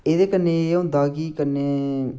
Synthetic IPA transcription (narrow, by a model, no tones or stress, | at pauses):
eːd̪eːkənːẽːõd̪aːɡiːkənːeː